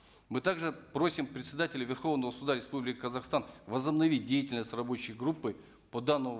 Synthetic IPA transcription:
mɨt̪aɡʐɨpɾo̞sʲɪmpɾʲɪt̪sʲɪd̪atʲɪlʲʊvʲɪrxo̞vnəvəsʊd̪aɾʲɪspublʲɪkʲkəzɐxst̪anvəzəbnɐvʲit̚ʲdʲejɪtʲɪlʲnəsʲtʲrɐbo̞t͡ɕɪjɡɾupːɨ | pod̪anːəmʊ

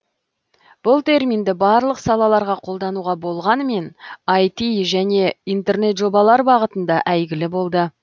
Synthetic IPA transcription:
b̥ʊlˠt̪ʰe̞rmind̪ɪbɑɾlˠəqsɑlˠɑlˠɑɾʁɑqʰo̞lˠd̪ɑnuʁɑbo̞lˠʁɑnəme̞nɑjt̪iʒæne̞ijnt̪e̞rne̞t̪ʒo̞bɑlˠɑɾbɑʁət̪ənd̪ɑʔæjɡʲɪlɪbo̞lˠd̪ə

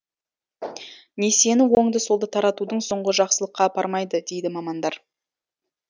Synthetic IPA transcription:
ne̞se̞nɪwo̞ŋd̪əso̞lˠd̪ət̪ʰɑɾɑt̪ud̪əɴso̞ɴʁəʒɑqsəlˠəqːɑpʰɑɾmɑjd̪əd̪e̞jd̪ɪmɑmɑnd̪ɑɾ

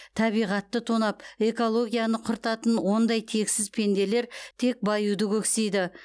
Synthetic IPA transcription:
t̪ʰɑβijʁɑt̪ːət̪ʰonɑpe̞ko̞lˠo̞ɡʲijanəqʰʊɾt̪ɑt̪ənwo̞nd̪ɑjt̪ʰe̞ksɪzpʰe̞nd̪e̞le̞ɾt̪ʰe̞k̚bɑjud̪əkʲʰɵksejd̪ɪ

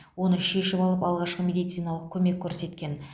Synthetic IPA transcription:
wo̞nəʃe̞ʃɪpɑlˠəpɑlˠʁɑʃqəmʲe̞d̪ijt̪sɨjnɑlˠəq̚kʲʰɵme̞kʲʰːɵɾse̞t̪kʲe̞n

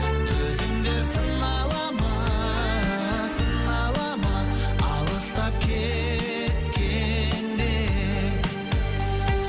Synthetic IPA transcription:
t̪ʰɵzɪmd̪esəɴː | ɑlˠɑmɑ | səɴːɑlˠɑmɑ | ɑlˠəst̪ɑp̚kʲʰe | t̪kʲend̪e

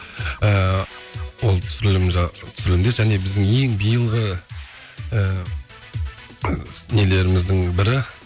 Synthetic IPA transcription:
ə | wo̞lˠt̪ʰʏ̥sɾɪlmʒɑt̪ʰʏ̥sɪɾɪlɪmd̪eʒæne̞bɪzd̪ɪŋe̞ŋbijəlˠʁə | əː | nele̞ɾɪmɪzd̪ɪŋbɪɾɪ

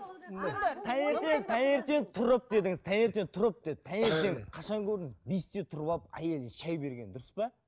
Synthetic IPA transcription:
nt̪ʰæneɾt̪e̞nt̪ʰæne̞ɾt̪e̞nt̪ʰʊɾəp̚d̪e̞d̪ɪŋɪzt̪ʰæne̞ɾt̪e̞nt̪ʰʊɾəp̚d̪̥e̞d̪ɪt̪ʰæne̞ɾt̪e̞ŋqʰɑʃɑŋkʲʰɵɾd̪ɪŋɪzbest̪et̪ʰʊɾbɑpæ̰je̞lʃæjbe̞ɾɡʲe̞nd̪ʊɾəspɑ

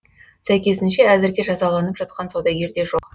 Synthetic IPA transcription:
sæjkʲe̞sɪnʃe̞æzɪɾɡʲe̞ʒɑzɑlˠɑnəpʒ̥ɑt̪̚qɑnsod̪ɑɡʲe̞ɾd̪e̞ʒo̞q

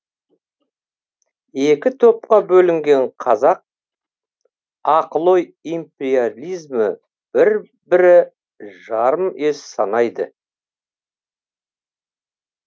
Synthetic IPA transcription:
e̞kʲɪt̪ʰo̞p̚qɑbɵlɪŋɡʲe̞ɴqʰɑzɑq̚ | ɑqəlˠo̞jimpʲeɾialʲijzmə | b̥ɪɾ | bɪɾɪ | ʒɑɾəme̞ssɑnɑjd̪ə̰

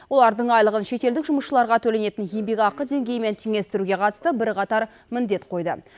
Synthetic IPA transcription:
wo̞lˠɑɾd̪əɴɑjlˠəʁənʃe̞t̪e̞ld̪ɪkʒʊməsʃəlˠɑɾʁɑt̪ʰɵle̞ne̞t̪ɪnje̞mbe̞kʲɑqːəd̪e̞ŋɡʲe̞jme̞nt̪ʰeŋʲe̞st̪ɪɾuɡʲe̞qʰɑt̪ə̥st̪əbɪɾqʰɑt̪ɑɾ | mɪnd̪e̞t̪qʰo̞jd̪ə̰

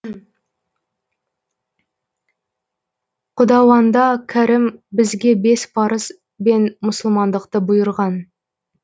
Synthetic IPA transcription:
qʰʊd̪ɑwɑnd̪ɑkʲʰæɾɪmbɪzɡʲe̞be̞spʰɑɾəz | be̞nmʊsəlˠmɑnd̪əqt̪əbʊjəɾʁɑn

